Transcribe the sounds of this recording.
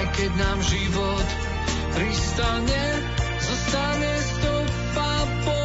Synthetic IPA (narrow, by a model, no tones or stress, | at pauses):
kɛɟnaːmʒiʋɔt̪ | pɾist̪aɲɛ | zɔst̪aɲɛst̪ɔ | papɔ